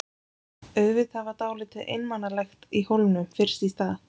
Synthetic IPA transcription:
œɣvɪðhavat̪aːwlɪt̪ʰɪʔḛjnmanːalɛxt̪ihowlnʏmfɪr̥sist̪aːθ

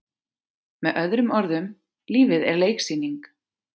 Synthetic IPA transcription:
mɛðʔœðɾʏmɔɾðʏm | liːvɪðɛ̰ɾleːjksiːniŋk

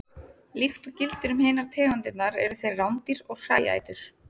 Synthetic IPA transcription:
lixt̪ʏcɪlt̪ʏɾʏmheːjnaɾ̥t̪ʰɛːɣant̪ɪt̪naɾɛɾʏθejrrawnt̪iɾɔɣsa̰ːja̰ːjt̪ʏɾ̥

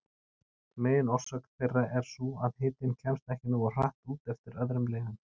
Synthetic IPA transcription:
meːjɪnɔr̥sœkn̥θejrːaʔɛɾ̥suːaðhɪːt̪ɪncʰɛmst̪ɛhcɪnuːar̥a̰ht̪uːt̪ɛft̪ɪɾœðɾʏmlɛːɣan

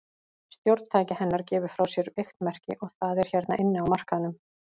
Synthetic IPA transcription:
st̪jowɾt̪t̪ʰaːjcɪhɛnːaɾ̥cɛːvʏɾ̥fɾawsjɛɾejxt̪mɛr̥cɪʔɔɣθaðɛɾ̥çɛɾt̪naʔɪnːɪawmar̥kaðnʏm

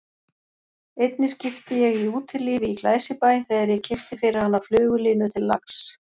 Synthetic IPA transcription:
ejt̪̚nɪscɪft̪ɪjɛɣiuːt̪ʰɪliːvɪiklaːjsɪpaːjθɛːðaɾjɛɣcʰɪft̪ɪfɪɾɪɾhanːaflʏːɣʏliːnʏt̪ʰɪlːaks

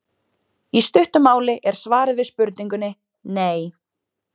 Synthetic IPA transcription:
ist̪ʏht̪ʏmaːwlɪʔɛɾ̥svaːɾɪðvɪðspʏɾt̪niŋkʏnːɪ | neːj

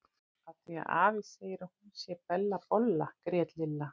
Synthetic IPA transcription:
aθia̰ʔa̰ːvɪseːjɪɾahunsjɛpɛlːapɔlːakɾɛːt̪lɪlːa

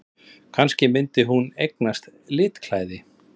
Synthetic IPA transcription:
kʰanscɪmɪnt̪ɪɦunejknast̪lɪːt̪kʰlaːjðɪ

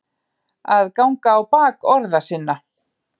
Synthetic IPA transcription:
aðkawŋkaːwpaːkɔɾðasɪnːa

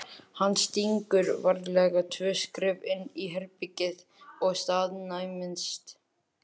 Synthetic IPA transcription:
hanːst̪iŋkʏɾvaɾlɛɣat̪ʰvœːskɾɪvɪnːiɦɛɾpicɪð | ɔɣst̪aːðnajmɪnst̪

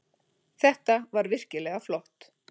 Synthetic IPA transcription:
θɛht̪avaɾvɪr̥cɪlɛɣaflɔht̪

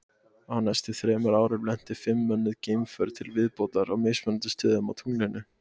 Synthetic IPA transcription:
hanːɛst̪ɪθɾɛːmʏɾaːwɾɪɾlɛn̥t̪ɪfɪmːœnːʏðceːjmfœɾt̪ʰɪlvɪðpowt̪laɾawmɪjsmœnt̪ʏst̪ʏːðʏma̰wt̪ʰuːnɪnʏ

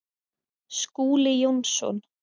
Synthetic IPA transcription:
skuːlɪjownsɔ̰n

